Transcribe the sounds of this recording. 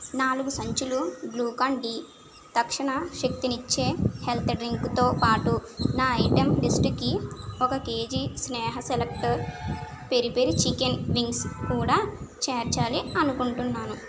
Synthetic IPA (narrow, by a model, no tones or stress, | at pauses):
naːluɡusɐɲt͡ʃuluɡluːkaːɳɖi | t̪ɐkʂɐɳɐʃek̚t̪init͡ʃːe̞ːhelt̪ʰɖɾiŋkt̪oːpaːʈunaːɐjʈemɖisʈkiɔkɐke̞ːd͡ʒisnɛːɦɐselekʈɐɾ | peɾipeɾit͡ʃikenʋiŋɡskuːɽaːt͡ʃeːɾt͡ʃaːliɐnukuɳʈunːaːnu